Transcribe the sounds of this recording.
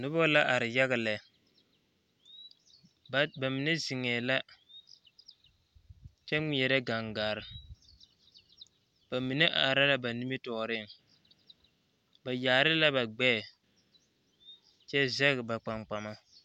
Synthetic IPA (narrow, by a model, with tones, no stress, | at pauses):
nʊ˦bɔ˦la˦ʔa˨ɾɪ˨ja˦ɣɪ˨lɛ˨ | ba˨mi˨nɛ˦zɪ˨ŋɛː˨la˦ | t͡ʃɛ˦ŋi˨ɛ˨ɾɛ˦ɡa˨ŋɡaː˨ɾɪ˨ | b̥a˨mi˨ne˦ʔa˨ɾa˦la˦ba˨ni˦mi˦tɔː˨ɾɪ˦˨ŋ | ba˨jaː˨ɾɪ˦la˦ba˨ɡ͡bɛː˦˨ | t͡ʃɛ˦zɛ˦ɣɪ˨ba˨k͡pa˨ŋ͡mk͡pa˨ma˦